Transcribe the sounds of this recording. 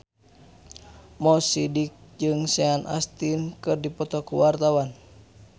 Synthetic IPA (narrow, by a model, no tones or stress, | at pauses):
mɔsidik̚d͡ʒɨŋsɛanʔa̰st̪inkɨrdipɔt̪ɔkuwart̪awan